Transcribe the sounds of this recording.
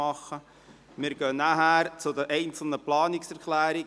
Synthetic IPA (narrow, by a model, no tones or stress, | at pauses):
ɑχə | mɪɾɡ̥œːnæɦæːɾt͡sʊd̪əʔɛɪnt͡sl̩nəplɑːnɪksɛɾklæːɾi